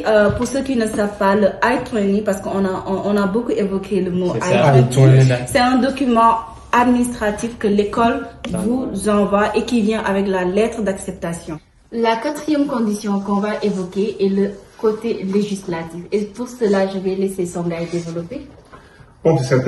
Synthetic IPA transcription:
əpuʁsəkinəsavpaləajt̪ʰanipaʁsə̥kəɔ̃nãɔ̃nabokuevɔkʰeləmoajt̪t̪sɛt̪ɛ̃d̪ɔkymɑ̃ | ad̪minist̪χat̪ifkəlekɔlvuzɑ̃vwaʔekivjɛ̃ʔavɛk̬lalɛt̪χəd̪aksɛp̚t̪asjɔ̃ | lakat̪χijɛmkɔ̃d̪isjɔ̃kɔ̃vaʔevɔkeʔɛləkot̪eleʒislat̪ifepuʁsəlaʒəvɛlesesɔ̃ɡajd̪evəlɔpe | ɔ̃t̪sɛ

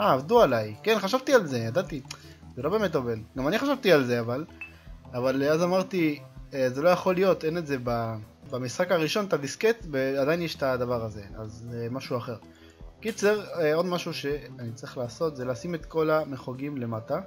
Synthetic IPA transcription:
aːvdualajke̞nχaʃavt̪ialze̞jad̪at̪i | zelo̞be̞metovenɡamaniχaʃavt̪ialze̞aval | avaleazamaʁt̪iezelo̞jaχo̞lijo̞t̪eneze̞babamisχakaʁiʃo̞nt̪adisket̪beadainjeʃtad̪avaʁaze̞azemaʃuaχe̞ʁ | kit͡se̞ʁeo̞dmaʃuʃe̞anit͡saʁiχlaːso̞t̪zelaːsimet̪ko̞lameχoɡimle̞mata

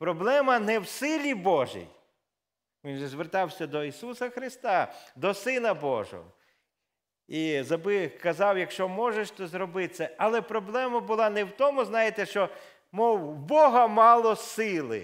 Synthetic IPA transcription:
pɾɔblˠɛmɐnɛwsɪlʲibɔʒḭj | ʋʲinʒɛzʋert̪ɑwsʲɐd̪ɔisusɐxɾɪst̪ɑd̪ɔsɪnɐbɔ̰ʒɔ̰ɦɔ̰ | izɐbɪkɐzɑwjɐkʃt͡ʃɔmɔʒeʃt̪ɔzɾɔbɪsɛɐlˠɛpɾɔblˠɛmɐbʊlˠɑnɛwt̪ɔmʊznɑjet̪ɛʃt͡ʃɔ | mɔwbɔɦɐmɑlˠɔsɪlˠɪ̰

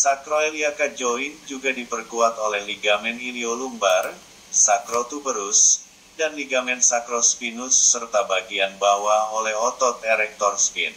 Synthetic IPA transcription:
sakɾoeliakad͡ʒoind͡ʒuɡadipərkuat̪olɛhliɡamɛniliolumbar | sakɾot̪ubəɾus | danliɡamɛnsakɾospinʊsːərt̪abaɡianbawaolɛhɔt̪ɔt̪ɛɾɛk̚t̪ɔrspin

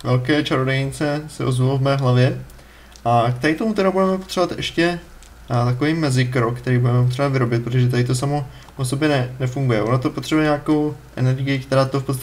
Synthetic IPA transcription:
vɛlkɛːt͡ʃaɾodɛjɪnt͡sɛsɛ̰ʔozvulovmɛːɦlavjɛ | ʔakt̪ɛɾɪt̪omut̪ɛɾabudɛmɛpo̞t̪r̥ɛovat̪ʔɛ̰ʃcɛ | t̪ako̞viːmɛzɪkɾokt̪ɛɾiːbudɛmɛpot̪rɛavɪɾo̞bɪt̪̚pɾot̪oʒɛt̪adɪt̪o̞samo̞ | ʔosobjɛnɛnɛfuŋɡujɛʔo̞nat̪o̞po̞t̪r̥ɛbujɛɲakowʔɛ̰nɛɾɡɪjɪkt̪ɛɾaːt̪ofpott͡sst̪a

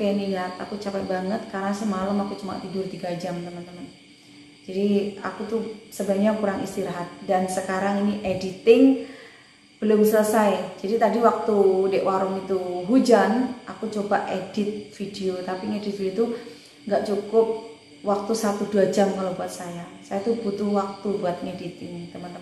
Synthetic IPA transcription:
kenijat̪a̰kut͡ʃapabaŋət̪̚kaɾənasəmaləmakut͡ʃuma̰t̪idʊrt̪iɡad͡ʒamt̪əmənt̪əmən | d͡ʒadia̰kut̪usəbaɲakuɾaŋist̪iɾɦat̪̚dansəkaɾaŋiniʔedit̪ɪŋ | b̥əlʊmsələsajd͡ʒadit̪adiwak̚t̪udɛʔwaɾʊŋit̪uɦud͡ʒanʔakut͡ʃobaʔed̥ɪt̪̚fideot̪apiŋedɪt̪̚fideot̪u | ŋɡaʔt͡ʃukʊp̚ | wak̚t̪usat̪uduad͡ʒamkalabuat̪̚sajasajat̪ubut̪uwak̚t̪ubuat̪̚ŋedit̪̚iŋit̪əmənt̪ə

